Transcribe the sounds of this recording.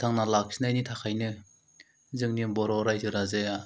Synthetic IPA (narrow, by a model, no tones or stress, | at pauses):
t̪ʰaŋnalak̚sinajnitʰakʰajnɯ | zɯŋnibɔɾɔɾajzɯɾazeja